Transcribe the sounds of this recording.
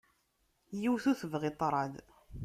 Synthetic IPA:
jiwθuθəvʁɪt̪ˤːɾˤɑð

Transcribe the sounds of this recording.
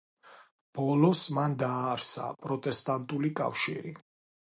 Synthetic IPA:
b̥ɔlɔsmand̪aːɾsa̰pʼɾɔt̪ʼɛst̪ʼant̪ʼulikʼa̰fʃiɾi

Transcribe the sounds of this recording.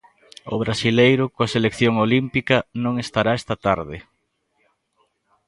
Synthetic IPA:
ʊ̰β̞ɾasilejɾʊkoɐselekθjoŋolimpikɐnõŋest̪aɾaɛst̪ɐt̪aɾðɪ

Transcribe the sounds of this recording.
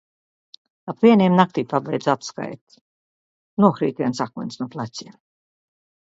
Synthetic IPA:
apvʲiɛniɛmnak̚t̪iːpabɛjd̪zat̪ska̰jt̪ | nuɔxɾḭːt̪viɛnsakujnsnuɔplˠasʲiɛm

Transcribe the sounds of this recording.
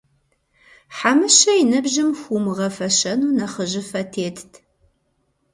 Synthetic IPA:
ħamɨʃɐjɪnɐbʒɪmxʷumɨʁɐfɐʃɐnuːnɐχəʒɪfɐtʰeːtʰtʰ

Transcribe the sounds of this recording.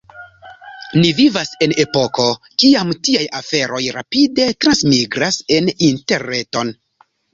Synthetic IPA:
nivivase̞ne̞po̞ko̞ | kiamtiajafe̞ɾo̞jɾa̰pide̞tɾansmiɡɾase̞ninte̞ɾneto̞n

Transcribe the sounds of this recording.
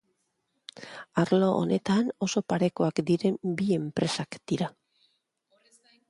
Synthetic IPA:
aɾloʔo̰ne̞t̪ano̞so̞paɾe̞koakd̪iɾe̞mbie̞mpɾe̞sakd̪̥iɾa

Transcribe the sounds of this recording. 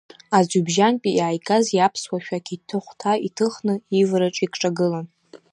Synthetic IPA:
azʷubʒanpʼiaːjkʼazjapʰswaʃᶣakʰʲʼitʰɨχʷtʰaitʰɨχnɨivɾaʈ͡ʂʼikʰʼʈ͡ʂʼaɡɨlan

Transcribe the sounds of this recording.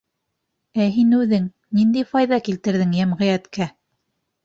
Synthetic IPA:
æɦinʉðɘŋ | nind̪æjfɑjðɑkilt̪ɘ̆ɾðɘŋjæmʁɘ̆jæt̪kæ

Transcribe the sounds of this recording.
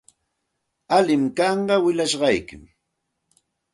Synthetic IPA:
alɪmkɑɴɢɑwɪʎaʃɢɑjkɪ̰m

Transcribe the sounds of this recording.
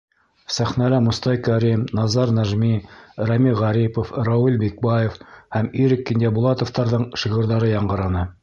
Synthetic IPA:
sæχnælæmŭst̪ɑjkæɾimnɑzɑɾnæʒmiɾæmiʁæɾipofrɑwulbek̚bɑjefhæmiɾɘkːind̪ʲæbulˠɑt̪ŏft̪ɑɾðɤɴʃiʁɤ̆ɾðɑɾɤjɑɴɢɤ̆ɾɑnɤ

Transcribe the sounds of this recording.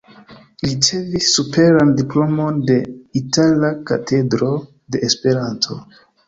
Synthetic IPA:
lit͡se̞visːupeɾandiplomonde̞itʰalaka̰tʰe̞dɾo̞ | de̞ʔespe̞ɾantʰo

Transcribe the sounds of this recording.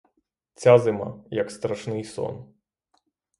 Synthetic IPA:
t͡sʲazɨma̰jɐkst̪ɾaʂnɨjsɔ̰n

